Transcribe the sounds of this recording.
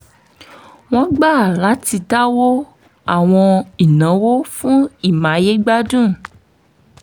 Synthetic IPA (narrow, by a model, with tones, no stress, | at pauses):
w̃ɔ̃˦ɡ͡ba˦˨la˨˦t̪i˧t̪a˦wo˦ | a˨w̃ɔ̃˧i˨nã˨˦wo˦fũ˦i˨mã˨˦je˦ɡ͡ba˦dũ˦